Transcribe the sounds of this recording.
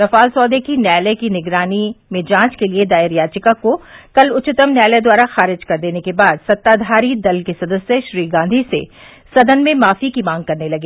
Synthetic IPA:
ɾɐfaːlsɔːd̪ekinjɛːlɛkinɪɡɾaːnimẽd͡ʒãːt͡ʃkelied̪aːəɾjaːt͡ʃɪkakokɐlʊt͡ʃɪt̪əmnjaːlɛd̪waːɾaxaːɾɪd͡ʒkɐɾd̪eːnekebaːd̪sɐt̪ːaːd̪ʱaːɾid̪ɐlkesɐd̪əsjəʃɾiːɡãːnd̪ʱisḛ | sɐd̪ənmẽmaːfikimãːŋɡ̚kɐɾnelɐɡeː

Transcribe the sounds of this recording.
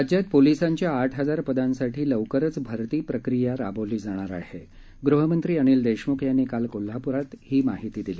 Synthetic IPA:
ad͡ʑjat̪̚polisaɲt͡ɕjaːʈʰɦəd͡zaɾpəd̪ansaʈʰiːləʋkəɾət͡sbʱəɾt̪iːpɾəkɾijaɾaboliːd͡zaɽ̃aɾa̰he | ɡɾuɦəmənt̪ɾiːəɽ̃iːld̪eɕmukʰjanekalkol̤ːapuɾat̪hiːmaɦit̪iːd̪iliː

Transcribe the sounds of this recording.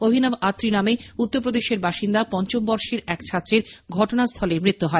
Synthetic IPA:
obʱinamat̪ːɾinameut̪ːoɾpɾod̪eʃeɾbaʃind̪apɔnt͡ɕombɔɾʃiɾɛkt͡ɕʰat̪ːɾeɾɡʱɔʈonast̪ʰɔlemɾit̪ːuɦɔe

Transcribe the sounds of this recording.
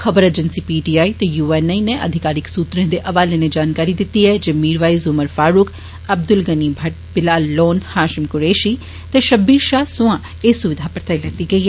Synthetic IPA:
xəbəɾeːd͡ʒənsiːpiːʈiːaːit̪ejuːɛːnɛineʔə̰d̪ʱɪkaːɾɪksuːt̪ɾẽːd̪eːʔɐʋaːleːned͡ʒaːnkaːɾid̪ɪt̪ːiːɦɛːd͡ʒeːmiːɾʋaːizʊməɾfaːɾʊk | əb̚d̪ʊlɡəniːbʱəʈ̚bɪlaːlːɔːnhaːʃɪmkʊɾeːʃiː | t̪eːʃəbiːɾʃaːsʊ̃ãː | eːsʊʋɪd̪ʱaːpəɾt̪aːilɛːt̪iːɡəiːɦɛː

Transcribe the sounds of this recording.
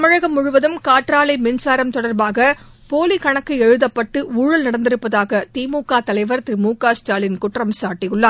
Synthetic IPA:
ɐmɐɻɐɣɐmːʊɻʊʋɐðɯmkaːʈɾaːlɐɪmɪnsaːɾɐmt̪ɔɽɐɾbaːɣɐ | poːlikɐɳɐkːɯɛɻɯðɐpːɐʈːɯʔuːɻɐlnɐɽɐnd̪ɪɾɯpːɐðaːɣɐt̪iːmuːkaːt̪ɐlɐɪʋɐɾt̪ɪɾɪmuːkaːsʈaːlɪnkʊʈrɐmsaːʈːɪjɯɭːaː

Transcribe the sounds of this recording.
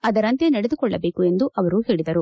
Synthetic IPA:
ɐd̪ɐɾɐnt̪enɐɽed̪ukɔɭːɐbe̞ːkue̞nd̪uʔɐʋɐɾuɦe̞ːɭid̪ɐɾu

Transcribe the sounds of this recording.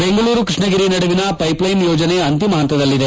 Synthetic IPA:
beŋɡɐɭuːɾukɾiʂɳɐɡiɾinɐɽuʋinɐpɐjplɐjnjoːd͡ʒɐneɐnt̪imɐɦɐnt̪ːɐd̪ɐlːid̪e

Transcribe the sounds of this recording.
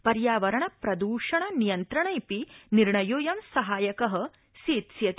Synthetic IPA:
pɐɾjaːʋɐɾɐɳɐpɾɐd̪uːʂɐɳɐnijɐnt̪ɾɐɳɐjpiniɾɳɐjoːjɐmsɐɦaːjɐkɐɦɐ̆ | siːt̪sjɐt̪

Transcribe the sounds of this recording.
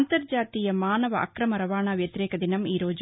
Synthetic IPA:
nt̪ɐɾd͡ʒaːt̪iːjɐmaːnɐʋɐ̰ʔɐ̰kɾɐmɐɾɐʋaːɳaʋjɐt̪iɾɛːkɐd̪inɐmiːɾoːd͡ʒ

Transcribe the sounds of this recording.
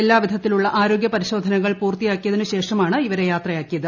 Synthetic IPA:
elːaːʋid̪ʱɐt̪ːiluɭːɐʔaːɾoːɡjɐpɐɾiɕo̞ːd̪ʱɐnɐɣɐɭpuːrt̪ijaːkːijɐðinɨɕe̞ːʂɐmaːɳɨiʋɐɾe̞jaːt̪rɐjaːkːijɐðɨ

